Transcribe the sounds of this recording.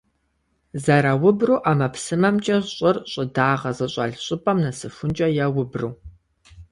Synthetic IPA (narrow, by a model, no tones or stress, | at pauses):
zɐɾawʊbruːʔaːmɐpsɨmɐmt͡ʃʼɐɕʼɪrɕʼɪdaːʁɐzɐɕʼɐ̰ɮɕʼʊpʼɐmnɐsɨfʷʊnt͡ʃʼɐjawʊbruː